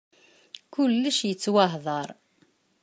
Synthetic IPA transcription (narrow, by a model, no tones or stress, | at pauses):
kʊlːəʃjət͡sːwaɦðˤɑɾˤ